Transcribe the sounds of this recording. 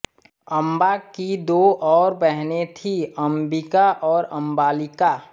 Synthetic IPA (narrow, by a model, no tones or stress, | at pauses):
əmbakid̪oːʔɔːɾbɛɦnet̪ʰiəmbɪkaʔɔːɾəmbaːlɪka